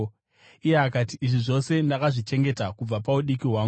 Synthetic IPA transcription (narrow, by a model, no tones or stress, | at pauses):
ijeakatiːʐiʐo̞se̞ndakaʐit͡ʃe̞ŋɡe̞takub͡vapauɗikiɦwaːŋɡu